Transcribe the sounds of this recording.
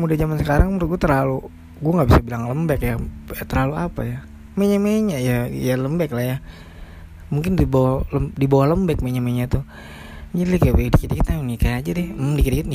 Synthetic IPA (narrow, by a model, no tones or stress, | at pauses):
mudahd͡ʒamansəkaɾaŋmuɾɡuɛt̪ərɾlalu | ɡuaŋɡabisabilaŋləmbɛkjat̪əɾlaluapa̰ja | meɲameɲajajaləmbɛklahja | muŋk̬ɪndibawləmdibawahləmbɛk̚meɲameɲat̪u | d͡ʒadilɛkajabedikitikit̪nanikajad͡ʒadɪhdikəɾikɪt̪ni